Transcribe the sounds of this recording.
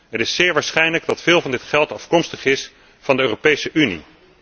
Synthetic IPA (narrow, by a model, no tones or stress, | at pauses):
ɦətɪsːɪːɹʋaːɹsχɛjnləɡdɑtfɪːlˠvɑndɪtχɛlˠtɑfkɔmstəχɪs | fɑndəøːropejsəʔynḭ